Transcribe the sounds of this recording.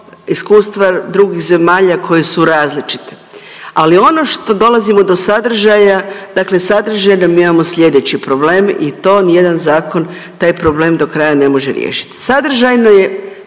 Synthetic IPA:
iskuːst̪ʋad̪ɾuɡixze̞maːʎakʰo̞jesuɾaːzlit͡ʃi̥t̪e̥ | alio̞no̞ʃt̪o̞d̪o̞lˠazimo̞d̪o̞sad̪r̩ʒajad̪aːkle̞sad̪ɾ̩ʒajnomiimamo̞sʎʲe̞d̪e̞t͡ɕipɾo̞ble̞ːmḭt̪o̞ːnije̞d̪anzaːko̞n | t̪aːjpɾo̞ble̞ːmd̪okɾajane̞mo̞ʒeɾjḛːʃi̥t̪i̥sad̪r̩ʒajno̞je

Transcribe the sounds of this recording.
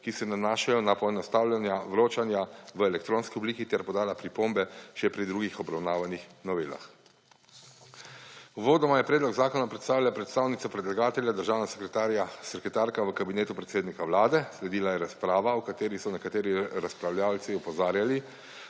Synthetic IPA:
kisɛnanaːʃajɔnapɔɛnɔst̪aːwlʲjanjaʋɾoːt͡ʃanjaʋəelɛkt̪ɾoːnskiɔbliːkit̪ɛɾpɔd̪aːlapɾipombɛʃɛpɾid̪ɾuɡixɔbɾawnaːʋanixnɔʋeːla̰x | uʋoːd̪ɔmajɛpɾɛːd̪lɔɡzaːkɔnapɾɛt̪st̪aːwljapɾɛt̪st̪aːwnit̪sɔpɾɛd̪laɡaːt̪ɛljad̪əɾʒaːwnasɛ̥kɾɛt̪aːɾjasɛkɛt̪aːɾkaʋəkabineːt̪upɾɛt̪seːd̪nikawlaːd̪ɛslɛd̪iːlajɛɾaspɾaːʋaukat̪eːɾisɔnɛkat̪eːɾiɾaspɾawlʲjalt̪siɔpɔzaːɾjali

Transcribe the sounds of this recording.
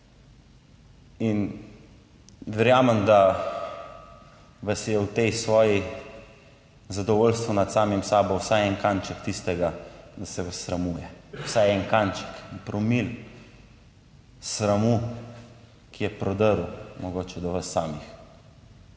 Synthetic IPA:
in | ʋɛɾjaːməmd̪a | ʋɐsjɛwt̪ejsʋɔːji | zad̪ɔʋolst̪ʋunat̪saːmimsaːbɔwsajɛnkant͡ʃɛkt̪ist̪ɛɡad̪asɛʋɐsːɾamuːjɛwsajɛŋkant͡ʃɛ̥knpɾɔmil | sɾamu | kʰijɛpɾɔd̪əɾumɔɡoːt͡ʃɛd̪ɔʋəsːaːmix

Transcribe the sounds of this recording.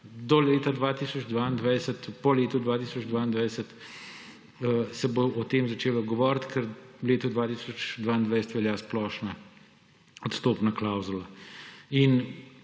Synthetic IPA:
d̪ɔleːt̪ad̪ʋaːt̪iːsɔd͡ʒd̪ʋaːind̪ʋajsət̪pɔleːt̪ud̪ʋaːt̪iːsɔd͡ʒd̪ʋaːind̪ʋajsət̪ | əsɛboɔt̪eːmzat͡ʃeːlaɡɔʋɔːɾt̪kɛɾwleːt̪ud̪ʋaːt̪iːsɔt͡ʃd̪ʋaːind̪ʋɛjsɛ̥t̪ʋɛljaːsplɔːʃna | ɔt̪st̪oːpnaklawzula | in

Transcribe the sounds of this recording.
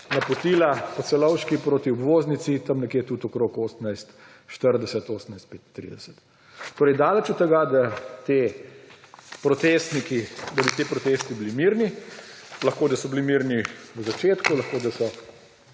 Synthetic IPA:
nɐpɔt̪iːlapɔt̪sɛlɔwʃkipɾoːt̪iɔbʋoːznit͡s̪it̪ɐmnɛkjeːt̪ut̪ɔkɾoːkoːsənajst̪ | ʃt̪əɾd̪ɛsɛt̪oːsənajst̪̚peːt̪ːɾḭd̪ɛsə̥t̪ | t̪oːɾɛjd̪aːlət͡ʃut̪ːɛɡad̪at̪e | pɾɔt̪est̪nikid̪abit̪eːpɾɔt̪eːst̪ibilimiɾni | lɐxkoːd̪ɐsɔblimiɾniwzat͡ʃeːt̪kulɐxkoːd̪asɔ

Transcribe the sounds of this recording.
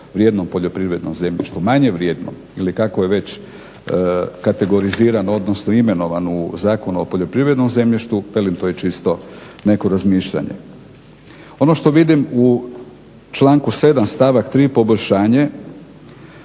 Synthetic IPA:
ʋɾjed̪nompo̞ʎo̞pɾiʋɾe̞d̪nomze̞mʎḭʃt̪umaɲe̞ʋɾjeːd̪no̰ | ilikakojeʋe̞t͡ɕ | kat̪e̞ɡo̞ɾiziːɾanoo̞d̪nosnoime̞no̞ʋanuzaːko̞nuopo̞ʎo̞pɾiʋɾe̞d̪no̞mze̞mʎiʃt̪uʋelimt̪ojet͡ʃist̪o̞ | ne̞ko̞ɾazmiːʃʎa̰ɲḛ | o̞no̞ʃt̪o̞ʋid̪imu | t͡ʃlˠaːŋkuse̞d̪amst̪aʋakt̪ɾiːpo̞bo̞ʎʲʃaːɲe

